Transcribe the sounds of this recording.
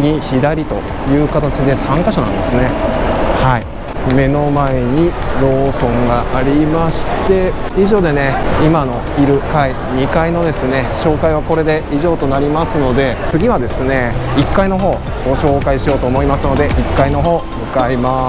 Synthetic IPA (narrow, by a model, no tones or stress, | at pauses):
ɲʲiçid̪aɾʲit̪o̞̰ | jɯ̟ːkat̪at͡ɕid̪e̞sãŋkaɕonã̰nd̪e̞sɨne̞hai | me̞no̞mae̞ɲ̟iɾo̞ːsõ̞ŋɡaːɾʲimaɕi̥t̪e̞ | iʑo̞ːd̪e̞ne̞imano̞ | iɾɯ̟kai | ɲ̟ikaino̞d̪e̞sɨne̞ɕo̞ːkaiβ̞ako̞ɾe̞d̪e̞ʔiʑo̞ːt̪o̞naɾʲimasɨno̞d̪e̞t͡sɨɡʲiβad̪e̞sɨne̞ikːaino̞ɦo̞ː | ɡ̥o̞ɕo̞ːkaiɕijo̞ːt̪o̞ːmo̞imasɨno̞d̪e̞ʔikːaino̞ɦo̞ːmɯ̟kaima